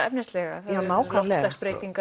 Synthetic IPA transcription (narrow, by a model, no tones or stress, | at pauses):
ɛp̚nɛst̪lɛɣa̰θaanaːwkʰalslɛxspɾeːj̪iŋka